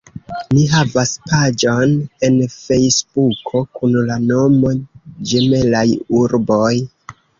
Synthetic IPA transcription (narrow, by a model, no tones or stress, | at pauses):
miɦavaspad͡ʒo̞ne̞nfe̞jsbukʰo̞kunlano̞mo̞d͡ʒemelajuɾboj